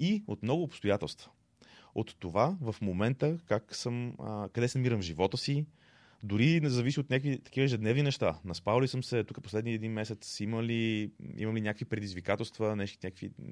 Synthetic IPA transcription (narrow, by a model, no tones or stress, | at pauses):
iot̪mnɔɡʊːpst̪ojat̪ɛ̰lˠst̪və̥ | ot̪ːovavɐfmomɛnt̪əkaksəməkɐd̪ɛsɛnɐmiɾəmvʒivɔt̪əsi | d̪ʊɾinzɐvisiot̪nʲakvit̪ɐ̥k̟ivəɛʒɛd̪nɛvninɛʃt̪anɐspavlisəmsɛt̪ukəposlɛd̪niɛd̪inmɛsɛt̪siməliḭmɐmlinʲakəkvipɾɛd̪izvikat̪ɛlˠst̪vənɛʃt̪i̥nʲakəkvḭ